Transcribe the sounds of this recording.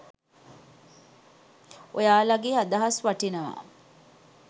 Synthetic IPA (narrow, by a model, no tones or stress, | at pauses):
ojaːlaɡeːad̪ɐɦasʋaʈinəʋa̰ː